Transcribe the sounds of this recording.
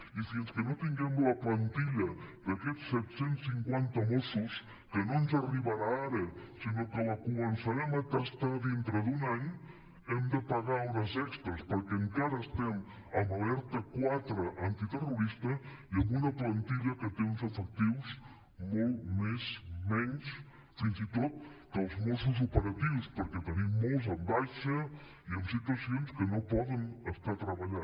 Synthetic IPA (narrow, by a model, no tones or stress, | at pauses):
isienskənot̪iŋɡɛmləplant̪iʎəd̪akɛsːɛt̪sensːiŋkwant̪əmosus | kənonzariβaɾaaɾəsinokəlakumənsaɾɛmat̪ast̪aðint̪ɾəðunaɲ | ɛmd̪əpaɣaunəzɛkst̪əspəɾkeŋkaɾəːst̪ɛm | əmbalɛɾt̪əkwat̪ɾəʔant̪it̪əruɾist̪əiəmbunəplənt̪iʎəkət̪eunzəfək̚t̪iwz | molˠmezmɛɲs | finzit̪ot̪̚kəlˠzmosuzupəɾət̪iwspəɾkɛt̪ənimːolˠzəmbajʃə | iəmsit̪uəsionskənopɔðənəst̪at̪ɾəβəʎa